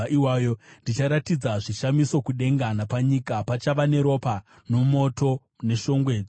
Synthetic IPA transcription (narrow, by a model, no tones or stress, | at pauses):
iwajondit͡ʃaɾatid͡zaʐiʃamisokuɗe̞ŋɡanapaɲikapat͡ʃaʋane̞ɾo̞pa | no̞mo̞to̞ | ne̞ʃo̞ŋɡwe̞ːd͡zi